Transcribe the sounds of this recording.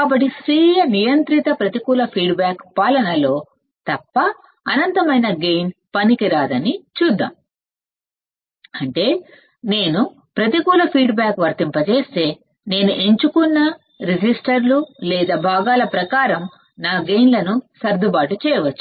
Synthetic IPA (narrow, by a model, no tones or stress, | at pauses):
kaːbɐʈːisɾiːjɐnijɐnt̪ɾit̪ɐpɾɐt̪ikuːlɐpʰiːɖbaːkpaːlɐnɐlo̞ː | t̪ɐpːɐː | nɐnt̪ɐmɐjnɐɡejnpɐnikiɾaːd̪ɐnit͡ʃuːd̪ːa̰ːm | ɐɳʈe̞ː | ne̞ːnu | pɾɐt̪ikuːlɐpʰiːɖbaːkʋɐɾt̪impɐt͡ʃe̞ːst̪e̞ː | ne̞ːnuʔe̞ɲt͡ʃukunːɐ | ɾid͡ʒisʈɐɾlulɛːd̪aːbʱaːɡaːlɐpɾɐkaːɾɐm | naːɡejnlɐnusɐɾd̪ʱubaːʈut͡ʃɛːjɐʋɐt͡ʃːu̥